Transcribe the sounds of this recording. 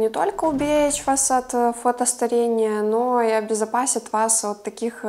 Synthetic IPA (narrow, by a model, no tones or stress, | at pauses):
nʲɪt̪o̞lʲkəʊbʲeɪt͡ɕvasɐt̪fot̪əst̪ɐɾʲenʲɪjənoiɐbʲɪzɐpasʲɪt̪vasvot̪ːɐkʲix